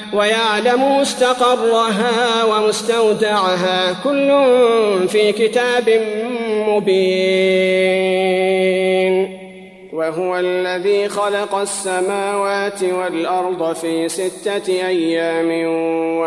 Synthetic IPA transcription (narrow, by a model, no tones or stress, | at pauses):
wajaʕlamʊmʊst̪ɑqɑrˤːʊɦawamʊst̪awd̪aʕɦaːkʊlːʊnfiːkɪt̪aːbɪmmʊbiː | n | waɦʊwalːaðiːxɑlɑqɑsːamaːwaːt̪ɪwalʔɑɾˤd̪ˤfiːsɪt̪ːaʔajːaːmɪa